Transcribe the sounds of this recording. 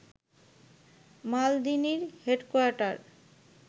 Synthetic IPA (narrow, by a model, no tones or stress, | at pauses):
mald̪iniɾheɖkoaɾʈaɾ